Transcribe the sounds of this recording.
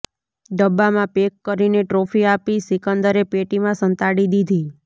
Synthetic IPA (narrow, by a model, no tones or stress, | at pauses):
ɖəbːamãpekːəɾineʈɾofiapisikənd̪əɾepeʈimãsə̃nt̪aɽid̪id̪ʱi